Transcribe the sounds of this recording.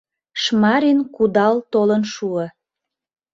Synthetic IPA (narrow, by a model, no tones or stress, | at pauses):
ʃmɑɾinkud̪ɑlt̪olənʃuə